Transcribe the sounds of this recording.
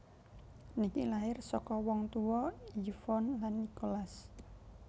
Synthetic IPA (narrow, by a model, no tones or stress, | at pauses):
nikilaɪrsɔkɔwɔŋt̪uwɔifɔnlanːikolas